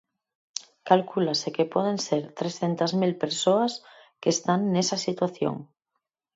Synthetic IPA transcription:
kalkulasekepweð̞ẽ̞nseɾt̪ɾesθent̪azmilpeɾsoaskeːst̪anːesasit̪waθjo̰ŋ

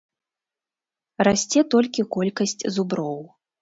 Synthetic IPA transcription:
rasʲt͡sʲɛt̪ɔlʲkʲikɔlʲkɐsʲt͡sʲzubɾɔw

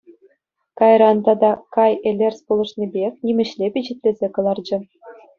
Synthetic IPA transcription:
kɑjɾɑnt̪ɑd̪ɑkɑjelʲerʲspulˠɤ̆ʂnʲebʲexʲnʲimʲɘ̆ɕlʲepʲiʑɘ̆t̪ʲlʲezʲekɤ̆lˠɑrd͡ʑɘ̆

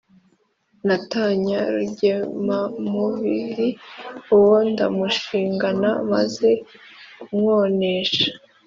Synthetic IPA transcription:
nataɲaɾuɟemamuβiɾiuwo̞nda̰muʃiːŋɡanama̰ze̞ | kmŋo̞ːne̞ːʃḁ

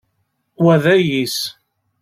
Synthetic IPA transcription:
wæðæjis

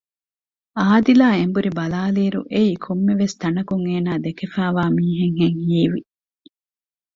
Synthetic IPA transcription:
aːd̪ilaːembuɾibɐlaːliːɾṵʔeiːkʰomːeʋest̪ɐnɐkuŋeːnaːd̪ekefæːʋaːmiːɦeŋɦeŋhiːʋḭ

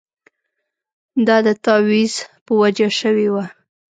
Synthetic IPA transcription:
d̪ɑd̪ət̪ɑwizpəwad͡ʒaʃəwewa

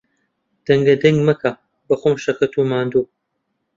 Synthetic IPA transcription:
d̪̥ɐŋɡɐd̪ɐŋɡmɐkʰa | bɐxomʃɐkʰɐt̪ʰumaːnd̪uː

